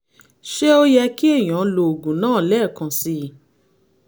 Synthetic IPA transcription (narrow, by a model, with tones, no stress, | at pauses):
ʃɛ˦o˦jɛ˧ki˦e˦˨j̃ã˨˦lo˧o˨ɡũ˨nãː˦˨lɛː˦˨kã˧si˧˦